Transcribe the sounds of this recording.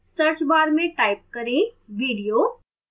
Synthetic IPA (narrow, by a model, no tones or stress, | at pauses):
səɾt͡ʃbaːɾmẽʈaːɪp̚kəɾeʋiːɽijo